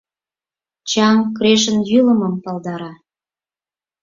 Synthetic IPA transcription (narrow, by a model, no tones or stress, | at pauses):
t͡ɕɑŋkɾeʃənjyləməmpɑld̪ɑɾɑ